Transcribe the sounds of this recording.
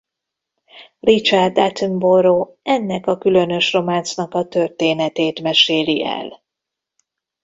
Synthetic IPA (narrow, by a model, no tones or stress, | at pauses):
rit͡ʃard̪at̪ymboɾoː | ɛnːɛkɒkylø̞nø̞ʃro̞maːnt̪snɒkɒt̪ø̞rt̪eːnɛt̪eːt̪mɛʃeːliʔɛ̰l